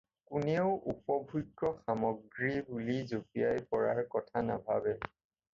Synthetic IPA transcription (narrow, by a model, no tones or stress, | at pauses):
kuneʊʔupɔbʱujɡɔxamɔɡɹibulizopijajpɔɹaɹkɔtʰana̰bʱabɛ